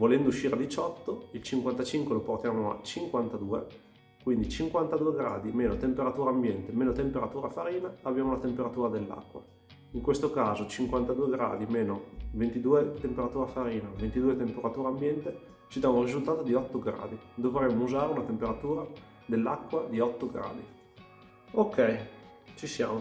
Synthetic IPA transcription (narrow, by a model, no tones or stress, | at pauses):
volɛnd̪ouʃːiːɾead̪it͡ʃɔt̪ːoilt͡ʃiŋkwant̪at͡ʃiŋkweloport̪jaːmoa̰t͡ʃiŋkwant̪ad̪uːḛ | kwind̪it͡ʃiŋkwant̪ad̪uːeɡɾa̰ːd̪imeːnot̪empeɾat̪uːɾambjɛnt̪emeːnot̪empeɾat̪uːɾafaɾiːnaːbjaːmolat̪empeɾat̪uːɾad̪elːa̰kːwa̰ | iŋkwest̪okaːzot͡ʃiŋkwant̪ad̪uːeɡɾa̰ːd̪imeːnovent̪id̪uːet̪empeɾat̪uːɾafaɾiːnavent̪id̪uːet̪empeɾat̪uːɾaːmbjɛnt̪e | t͡ʃid̪aurizult̪aːt̪od̪iɔt̪ːoɡɾa̰ːd̪id̪ovɾɛmːouzaːɾeunat̪empeɾat̪uːɾa | d̪elːa̰kːwad̪iɔt̪ːoɡɾa̰ːd̪i | okːɛj | t͡ʃisja̰ːmo